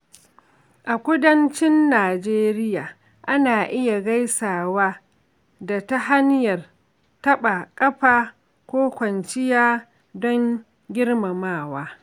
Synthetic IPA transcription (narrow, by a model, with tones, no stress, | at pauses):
ʔa˨kʷʊ˦dɐ˦nt͡ʃɪ˦nːaː˨d͡ʒeː˦ɾɪ˦jaː˨ | ʔa˦naː˨ʔɪ˦ja˨ɡa˦jsaː˨waː˦ | da˨ta˦ɦa˦njɐ˨r | tɐ˦ɓa˨kʼɐ˦ɸaː˨ | kʷoː˦kʷɐ˨nt͡ʃɪ˦jaː˦ | dɔ˦ŋ | ɡʲɪ˦rma˨maː˦˨waː˦